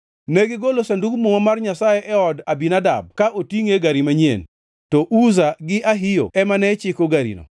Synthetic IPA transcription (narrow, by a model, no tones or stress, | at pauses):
neɡɪɡolosandukmoŋɔmarɲasajeʔɛɔdabinada̰b̚kaʔotiŋeɡaɾimaɲḛn | tɔʔuzaɡɪʔaɦɪjo̰ɛmanɛt͡ʃɪkoɡaɾḭno̰